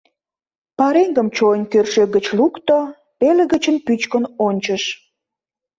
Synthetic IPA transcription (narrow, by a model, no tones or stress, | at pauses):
pɑɾeŋɡəmt͡ɕoənʲkørʃeɡət͡ɕlukt̪o | peleɣət͡ɕənpyt͡ɕkənonʲt͡ɕəʃ